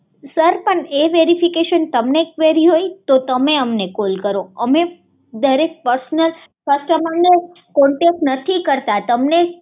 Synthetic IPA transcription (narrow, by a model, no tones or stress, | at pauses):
səɾpəɳeʋeɾifikeʃənt̪əmnekʋeɾiɦojt̪ot̪əmeəmnekolkəɾoəme | d̪əɾek̚pəɾsnəl | fəsʈamãɳːə | kɔ̃ɳʈek̚ʈnət̪ʰikəɾt̪at̪əmne